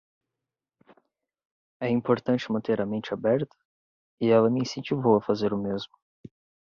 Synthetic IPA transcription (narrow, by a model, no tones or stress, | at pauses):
ɛĩpoɾt̪ɐ̃nt͡ʃɪmɐ̃nt̪eɾɐmẽnt͡ʃɪabɛɾt̪ɐ̥ | ɪɛlɐmɪĩsẽnt͡ʃivowɐfazeɾʊmezmʊ